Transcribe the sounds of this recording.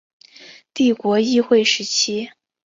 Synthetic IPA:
t̪i˥˩kwɔ˧˥i˥˧xwe˥˩ɪʂɻ̩˧˥t͡ɕʰi˥

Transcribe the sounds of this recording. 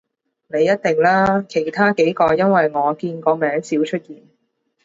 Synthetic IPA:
ne˨˧jːɐ˥t̚t̪ɪ˨ŋlaː˥kʰe˨˩jt̪ʰaː˥ke˨˥jkɔː˧jɐ˥nwɐ˨jŋɔː˨˧kiː˧nkɔː˧mɛː˨˥ŋsiː˨˥wt͡ʃʰɵ˥t̚jiː˨˩n

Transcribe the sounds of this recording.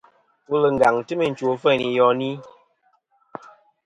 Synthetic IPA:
wu˦lə˨ŋɡa˨ŋtɨ˦mə˨n̩˨t͡ʃo˨˦fɛ˦˨ni˨jɔ˦ni˦

